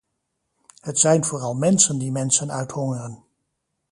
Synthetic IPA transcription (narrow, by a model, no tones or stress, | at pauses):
hətsɛjnvoːrɑlˠmɛnsəndimɛnsənœ̰ɥthɔŋərən